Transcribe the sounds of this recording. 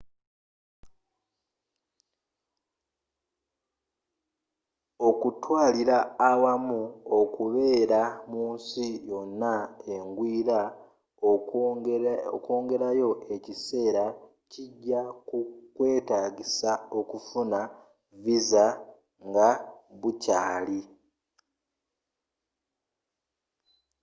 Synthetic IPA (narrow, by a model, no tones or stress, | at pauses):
o̞kutwaːliɾaːwamuo̞kuβe̞ːɾamuːnsijo̞nːae̞ŋɡwiːɾa | oko̞ːŋɡe̞ɾajo̞ʔe̞cise̞ːɾa | ciɟːakukwe̞ːtaːɟisao̞kufuna | viza | ŋɡaβucaːli